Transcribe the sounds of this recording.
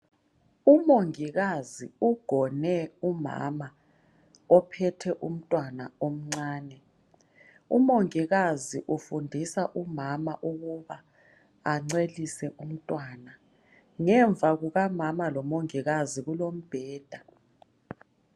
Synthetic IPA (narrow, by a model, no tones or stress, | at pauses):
umoŋiɣaziuɡ̥ʱɔnɛuma̰ma | ɔpʰɛtʰɛʔum̩tʼwanaom̩ŋ͡ǀaːnɛ | ṵmoŋiɣaziʔufundʱisaʔumamaʔuɣuβaː | ŋ͡ǀelisɛʔum̩tʼwaːna | ŋɛɱvʱaɣuɣamamalɔmoŋiɣaziɣulom̩b̥ʱɛːd̥ʱa